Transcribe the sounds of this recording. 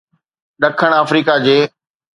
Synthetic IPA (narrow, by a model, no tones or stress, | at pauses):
ɗɐkʰəɽ̃aːfɾiːkad͡ʑeː